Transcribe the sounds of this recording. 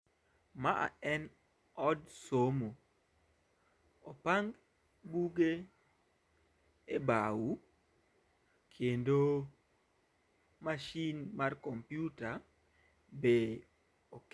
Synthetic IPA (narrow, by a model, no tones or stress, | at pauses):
maa̰ɛn | ɔdsomu | ɔpaŋɡ | buɡe | ebawu | kʰendo | maʃinmarkompjuta | be | ok